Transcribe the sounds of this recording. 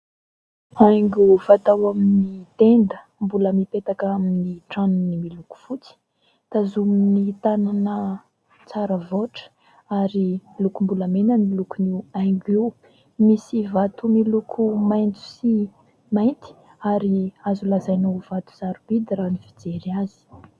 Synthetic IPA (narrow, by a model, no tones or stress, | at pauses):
ajŋɡuvat̪awaminit̪end̪ə | mbuləmipet̪akaminiʈ͡ʂanunimiluku̥fut͡si̥ | t̪azuminit̪ananə | t͡saɾəvoʈ͡ʂə̥ | aɾilukumbuləmenənilukuniwajŋɡiw | misivat̪umilukʰumajnt͡su̥si | majnt̪i̥ | aɾiazulazajnowv̥at̪u̥z̥aɾub̥id̪iranifid͡zeɾiazi̥